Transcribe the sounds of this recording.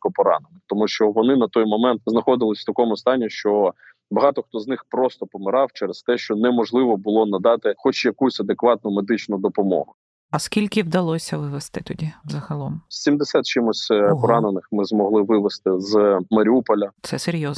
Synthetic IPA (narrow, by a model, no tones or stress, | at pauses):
kɔpɔɾɑ̰nenɪxt̪ɔmuʃt͡ʃɔʋɔnɪnɐt̪ɔjmɔmɛnt̪̚znɐxɔd̪ɪlˠɪsʲt̪ɐkɔmʊst̪ɑnʲːiʃt͡ʃɔ | bɐɦɑt̪ɔxt̪ɔznɪxpɾɔst̪ɔpɔmɪɾɑwt͡ʃɛɾest̪ɛʃt͡ʃɔnɛmɔʒlˠɪʋɔbʊlˠɔnɐd̪ɑt̪ɪxɔt͡ʃjɐkusʲɐd̪ekʋɑt̪̚nʊmed̪ɪt͡ʃnʊd̪ɔpɔmɔ̰ɦʊ | ɐskʲilʲkɪwd̪ɐlˠɔsʲɐʋɪʋest̪ɪt̪ɔdʲizɐɦɐlˠɔmsʲimd̪esʲat̪̚t͡ʃɪmʊsʲpɔɾɑnenɪxmɪzmɔɦlˠɪʋɪʋest̪ɪzmɐɾʲiupɔlʲɐt̪sɛseɾʲjɔz